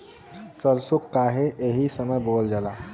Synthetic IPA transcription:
səɾsʊkːaːɦeʔeɦisəməjboːld͡ʒalaː

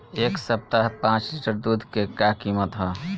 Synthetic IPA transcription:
eksəp̚t̪aɦpãt͡ʃliʈəɾd̪ud̪ʱkekakimət̪ɦɔ

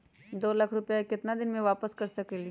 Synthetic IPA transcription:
d̪olakʰɾupjakɪt̪nad̪inmeʋapəskəɾsəkeli

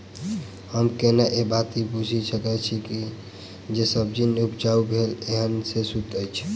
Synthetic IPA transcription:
həmkenaʔebat̪ibud͡ʒʱisəkɛt͡ʃʰiki | d͡ʒesəb̚d͡ʒineupd͡ʒaubʱeleɦənsesut̪əjt͡ʃʰ

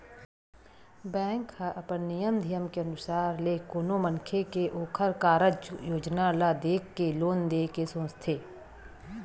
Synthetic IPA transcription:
bɛ̃ːŋkhəʔəpənnijəmd̪ʱɪjəmkeɐnʊsaːɾlekoːnoməŋkʰekeʔoːkʰəɾkaːɾəd͡ʒjoːd͡ʒnalad̪eːkːeloːnd̪eːkesõːt͡ʃt̪ʰeː

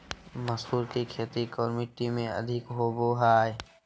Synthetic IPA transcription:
məsuːɾkikʰeːt̪ikɔːɾmɪʈːimẽɐ̰d̪ʱɪkɦoːboɦaːj

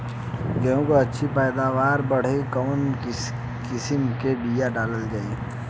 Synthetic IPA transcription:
ɡejõkoɐtːʃʰipɛːd̪aːʋaːɾbɐɽ̤ekən | kɪsəmkebiːjaɖaːləld͡ʒaːi

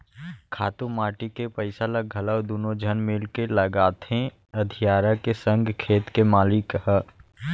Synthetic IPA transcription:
kʰaːt̪ũmaːʈikepəɪsalaɡʱɐləwd̪uːnod͡ʒʱənmɪlkeləɡaːt̪ʰẽ | ɐd̪ʱijaːɾakesə̃ŋɡʱkʰeːt̪kemaːlɪkɦə

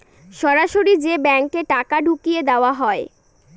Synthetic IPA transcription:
ʃɔɾaʃoɾid͡ʑebɛŋkeʈakaɖʱukijed̪eoaɦɔe

